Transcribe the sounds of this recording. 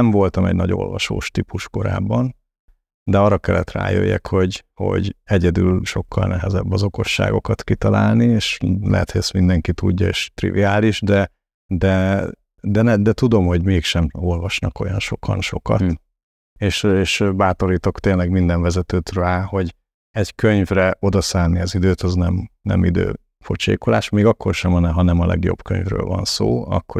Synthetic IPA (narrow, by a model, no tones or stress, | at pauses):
ɛɱvo̞lt̪ɒmɛ̰ɟnɒɟo̞̰lvɒ̰ʃo̰ːʃt̪ipuʃko̞ɾa̰ːbːɒn | d̪ɛɒrːɒkɛlːɛt̪ra̰ːjø̰jːɛ̰kho̞ɟho̞̰ɟɛɟɛd̪ylʃo̞kːɒlnɛɦɛzɛbːɒzo̞ko̞ʃːa̰ːɡo̞kɒt̪kit̪ɒlaːlnieːʃlɛ̰ɦɛt̪hoɟɛst̪mind̪ɛŋkit̪uɟːɒḛːʃt̪rḭvḭaːliʒd̪ɛ | d̪ɛ | d̪ɛnd̪ɛt̪ud̪o̞mho̞ɟmeːkʃɛmo̞lvɒʃnɒko̞̰jɒnʃo̞kʰɒnʃo̞kɒt̪ | eːʃeːʃbaːt̪o̞ɾiːt̪o̞kt̪eːnlɛɡmind̪ɛɱvɛzɛt̪øːt̪raːho̞ɟ | ɛɟkøɲvrɛo̞d̪ɒsaːnːiɒzid̪øːt̪ɒznɛmnɛ̰mḭd̪ø̰ː | fot͡ʃḛːkolaːʃmeːɡɒkʰːo̞rʃɛmɒnɛɦɒnɛmɒlɛ̰ɡjo̞̰b̥kø̰ɲvrø̰ːlvɒ̰nso̰ːɒ̰kːo